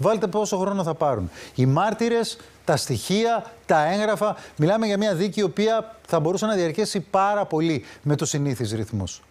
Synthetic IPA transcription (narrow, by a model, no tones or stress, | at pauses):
vɐlet̪e̞po̞so̞xɾo̞no̞θɐpɐɾunimɐɾt̪iɾe̞s | t̪ɐst̪içiɐt̪ɐe̞ŋɣɾɐfɐmilɐmeʝɐmiɲɐðicio̞piɐθɐbo̞ɾusenɐðiɐɾçesipɐɾɐpo̞lime̞t̪usiniθizɾiθmus